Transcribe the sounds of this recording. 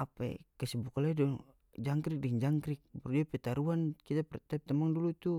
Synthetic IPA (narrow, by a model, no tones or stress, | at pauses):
apɛ̰kɛsɛbukalaidɔ | d͡ʒaŋkɾik̚dɛŋd͡ʒaŋkɾik̚bɔrdiapɛt̪aɾuankit̪apɛrt̪ɛp̚t̪amaŋdulut̪u